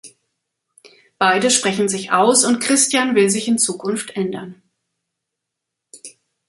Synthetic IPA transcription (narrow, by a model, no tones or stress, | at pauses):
b̥aɪdəʃpʁ̥ɛçn̩zɪçaʊsʊntkʁ̥ɪstjanvɪlzɪçɪnt͡suːkʰʊnftʔɛndɐn